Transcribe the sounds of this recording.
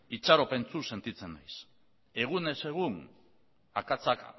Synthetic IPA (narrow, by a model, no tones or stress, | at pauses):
it͡ʃaɾo̞pe̞nt͡suse̞nt̪it͡se̞nːajs | e̞ɣ̞une̞se̞ɣ̞un | a̰kat͡sak